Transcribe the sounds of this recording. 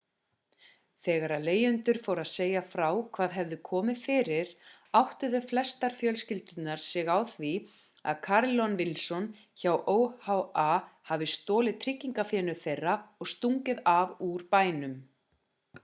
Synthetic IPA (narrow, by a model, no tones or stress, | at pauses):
θɛːɣaɾaðleːjʏnt̪ʏɾ̥faːwɾaðseːjafɾawkʰvaːðɦɛvðʏkʰɔːmɪðfɪːɾɪɾ̥ | awht̪ʏðʏflɛst̪aɾ̥fjœlscɪlt̪ʏt̪naɾ̥sɛɣawθvi | a̰ðkʰaɾlɔnvɪlsɔn | çawʔoːwhawahavɪst̪ɔːlɪðt̪ʰɾɪcːiŋkafjɛːnʏ̥θejrːaɔɣst̪uŋcɪðavuɾ̥paːjnʏm